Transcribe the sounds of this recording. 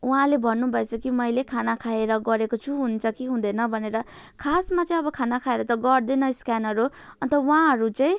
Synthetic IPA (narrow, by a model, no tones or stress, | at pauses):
wɦãlebʱʌnːubʱʌesʰʌkimʌjlekʰanakʰaeɾʌɡʌɾekot͡sʰuɦunt͡sʰʌkiɦũd̪enʌbʱʌneɾʌ | kʰasmat͡sʌĩʌbʌkʰanakʰaeɾʌt̪ʌɡʌrd̪enʌskanʌɾu | ʌnt̪ʌwãɦʌɾut͡saĩ